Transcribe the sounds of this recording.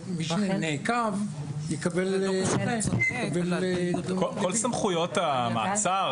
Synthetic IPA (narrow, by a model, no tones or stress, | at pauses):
miʃnenekav | jekabelnejekabelkokolsamχujot̪ama̰ːt͡sa